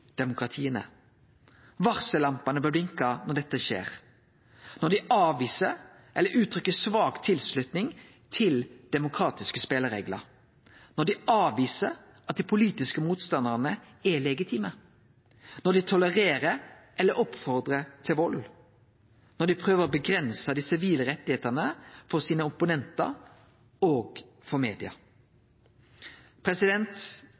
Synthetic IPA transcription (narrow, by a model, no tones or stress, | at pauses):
d̪̥ɛmʊkʁɑt̪ʰiːənə̰ | ʋɑʁsəlɑmpɑnəbɛblɪŋkɑnɔʁɖ̪ɛt̪ːəʃḛːʁ | nɔd̪ɪɑːʋiːsə | ʔɛlːəɾʔʉːt̪ʰɾʏkːəsʋɑːkt̪ʰɪlslʉt̪nɪŋ | t̪ʰɪld̪̥ɛmʊkʰɾɑːt̪ɪskəspeːləɾḛːɡlɑ̰ | nɔd̪ɪʔɑːʋiːsəɾ | ɑt̪̚d̪iːpʰʊliːt̪ɪskəmuːt̪st̪ɑnd̪əʁnə | ɛlɛɡɪt̪ʰiːmə | nɔd̪ɪt̪ʰʊləʁeːʁə | ʔɛlːəɾʔɔpfɔʁd̪ʁət̪ʰɪlʋɔl | nɔd̪ɪpʰʁøːʋəʁɔbəɡɾɛnsəd̪iːsɪʋiːləʁɛt̪ːɪheːt̪ənəfɔʁsiːnəʊpʊnɛnt̪ɑ̰ | oːɡ | fɔmeːd̪ɪɑ̰ | pʰɾɛsɪd̪ɛnt̪